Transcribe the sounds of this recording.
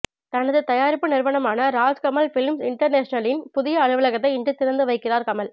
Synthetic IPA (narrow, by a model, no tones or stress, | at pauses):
t̪ɐnɐðɯt̪ɐjaːɾɪpːɯnɪɾʋɐɳɐmaːnɐɾaːd͡ʒkɐmɐlfɪlmsɪɳʈɐɾneːʂnɐlɪnpʊðɪjɐːnɯʋɐlɐɣɐt̪ːɐɪɪɳɖrɯt̪ːɪɾɐnd̪ɯʋɐɪkːɪraːɾkɐmɐl